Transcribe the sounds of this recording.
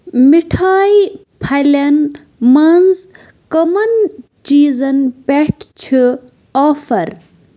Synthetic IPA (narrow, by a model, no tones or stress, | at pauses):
miʈʰaːji | pʰɐjlɐn | mɐnz | kɐmɐn | t͡ʃiːzɐnpeʈʰt͡ʃʰi | ɔːfɐɾ